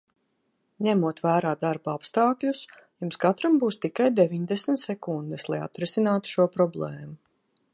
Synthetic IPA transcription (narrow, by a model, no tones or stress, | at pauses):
ɲæmuɔt̪væːɾaːd̪aɾbaapst̪aːklʲus | jumskat̪ɾambuːst̪ikajd̪evʲiɲd̪esmt̪sɛkund̪ɛslˠaja̰t̪ɾɛsinaːt̪u̥ʃuɔpɾɔblˠɛːmu